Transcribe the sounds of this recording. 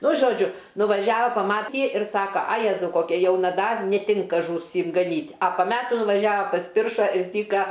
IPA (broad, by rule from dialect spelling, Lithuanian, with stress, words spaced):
ˈnʊ ʒoːˈd͡ʒʲʊ nʊʋɐˈʒʲæːʋɐ pɐˈmɑːtʲiː ɪr ˈsɑːkɐ ɐ ˈjæːzɐʊ koːˈkʲɛ ˈjɛʊnɐ ˈdɐr nʲɛˈtʲɪŋkɐ ʒuːˈsʲɪm ɡɐˈnʲiːtʲ ɐ pɐ ˈmʲæːtuː nʊʋɐˈʒʲæːʋɐ pɐsʲˈpʲɪrʃɐ ɪr ˈtʲiːkɐ